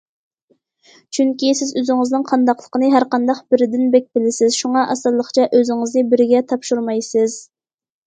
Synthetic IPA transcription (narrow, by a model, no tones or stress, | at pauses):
t͡ʃʰyŋkʲisɪzøzɪŋɪznɨŋqʰɑnd̪ɑqlˠə̥qənɨɦæɾqɑnd̪ɑqbɪɾɪd̪ɪnbɛk̚ʲbɪlɪsɪzʃuŋɑʔɑsɨlˠːəqt͡ʃʰɛʔøzɪŋɪznɨbɪɾɪɡʲɛt̪ʰɑpʃuɾmɑjsɪz